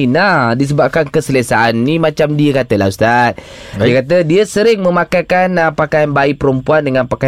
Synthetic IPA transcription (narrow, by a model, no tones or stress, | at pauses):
nahdis̬əbap̚kankəsələsaanːimat͡ʃamdiəkat̪əla̰ust̪at̪̚ | diəkat̪̬ədiəsəɾɪŋməmakajkanəpakajanbaipəɾəmpuandəŋanpaka